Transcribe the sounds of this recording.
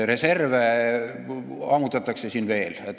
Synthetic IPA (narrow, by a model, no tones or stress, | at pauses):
re̞se̞rve | ɑːmut̪ˑɑt̪ːˑɑkse̞sinve̞ːlet̪ː